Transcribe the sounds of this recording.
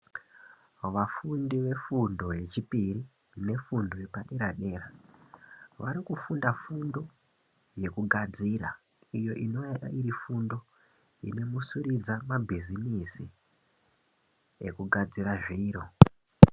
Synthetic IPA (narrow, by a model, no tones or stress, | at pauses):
ʋafundiʋe̞fundo̞ɦe̞t͡ʃipiri | ne̞fundo̞je̞paɗe̞ɾaɗe̞ːra | ʋaɾikufundafundo̞ | je̞kuɡʱad͡zira̰ | ijo̞ʔinoiɾifundo̞ | ḭne̞musurid͡zamabʱizinisi | ekuɡʱad͡ziraʐiiːɾo̞